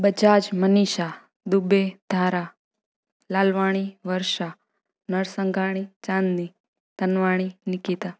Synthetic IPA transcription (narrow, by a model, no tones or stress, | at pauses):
bəd͡ʒad͡ʒməniʃa | d̪ubed̪̥ʱaɾa | lalʋaɽ̃iʋəɾʃa | nəɭsəŋɡʱaɽ̃it͡ʃãnd̪ni | t̪ənʋaɽ̃inikit̪a